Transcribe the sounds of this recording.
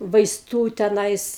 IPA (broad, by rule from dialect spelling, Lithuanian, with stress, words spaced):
ʋɐɪsˈtuː tʲɛˈnɐɪs